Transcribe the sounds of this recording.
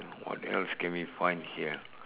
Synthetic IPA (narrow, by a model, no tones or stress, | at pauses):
wɔ̰tɛ̰lskɛ̃nwifãɪ̃ndhiə